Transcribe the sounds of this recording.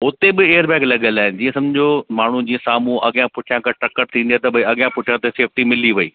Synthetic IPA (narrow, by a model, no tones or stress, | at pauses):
ʊt̪ebɪeːəɾbɛ̃ːklɐɠəlaːɦɪnɪ̆d͡ʑiːɐ̃sɐ̃md͡ʑd͡ʑomaːɳ̤ud͡ʑiːə̃saːmũʔɐɠjãpʊʈʰijãkaʈɐkəʈ̚t̪ʰĩnd̪iat̪ɐbɐiɐɠjãpʊʈʰjat̪eseːf̚ʈimɪliʋɐḭː